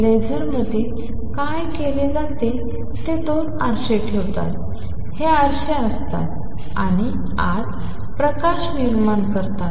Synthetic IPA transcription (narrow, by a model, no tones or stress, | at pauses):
led͡zəɾməd̪ʱe | kajkeled͡zat̪e | t̪et̪onaɾɕeʈʰeʋt̪a̰t̪ | heaɾɕeəst̪a̰t̪ | a̰ɽ̃i | a̰d͡z | pɾəkaɕniɾmankəɾt̪at̪